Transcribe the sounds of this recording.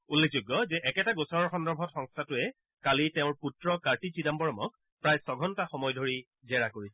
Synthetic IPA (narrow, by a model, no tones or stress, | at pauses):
ulːek̚ʰzʊɡːɔzɛʔɛkɛtaɡosɔɹɔɹxɔndɔɹbʱɔtxɔŋstʰatʊɛ | kalitɛʊ̃ɹputɹɔkaɹtit͡ʃidambɔɹɔmɔk̚ | pɹajsɔɡʱɔntaxɔmɔjdʱoɹi | zɛɹakoɹisɛ